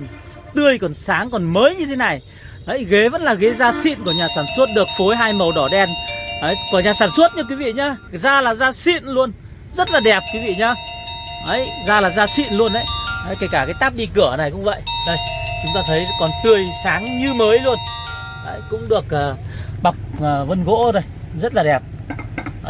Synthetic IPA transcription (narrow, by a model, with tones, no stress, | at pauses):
n | t̪ɨ˧˩əjkɔ˨˩nsaː˨˦ŋkɔ˨˩nməː˨˦jɲɨ˧t̪ʰe˨˦na˨˩j | ʔə˨˦jɣe˨˦və̰˧˥nlaː˨˩ɣe˨˦zaː˧sḭ˧˨nku˧˩ɲaː˨˩saː˧˩nsə˦˥ət̚ɗɨ˨˩ək̚fo˨˦jɦaː˧jmə˨˩wɗɔ˧˩ɗɛ˧˩nhə˨˦jkɔ˨˧˩ɲaː˨˩saː˧˩nswə˦˥t̚ɲɨ˨˧˥k̬wi˨˦vḭ˧˨ɲaː˨˧zaː˧laː˨˩zaː˧sḭ˧˨ənlu˧ən | zə˦˥t̚laː˨˩ɗɛ˨˩p̚kwi˨˦vḭ˧˨ɲaː˨˧ʔə˨˦jzaː˧laː˨˩zaː˧sḭ˧˨nlu˧ənʔə˨˧˦jhə˨˦jke˧˩kaː˧˩kaː˨˦jt̪aː˦˥p̚ɗi˧kɨ˧˩əna˨˩jkʊ̰˧˥ŋ͡mvə̰˧˨jʔzə˧˩jt͡ɕʊ˨˦ŋ͡mt̪aː˧t̪ʰə˨˦jkɔ˨˩nt̪ɨ˨˩əjsaː˨˦ŋɲɨ˧məː˨˦jlu˧ən | hə˨˧˦jkʊ̰˧˥ŋ͡mɗɨ˨˩ək̚ʔəː˨˩ɓa˨˩wk͡p̚ːvə˧nɣo̰˧˥zo˨˩jzə˦˥t̚laː˨˩ɗɛ˨˩p̚